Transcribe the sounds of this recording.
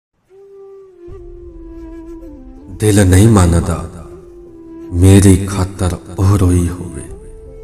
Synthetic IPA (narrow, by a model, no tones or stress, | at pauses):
d̪elnəjmanad̪a̰ | meɾijkʰat̪əɾɔɦɾoihobe